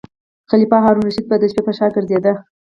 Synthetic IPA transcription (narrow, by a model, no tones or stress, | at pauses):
xalipɑɦɑɾunɾaʃid̪̚bəd̪əʃpepəʃɑɡəɾzed̪a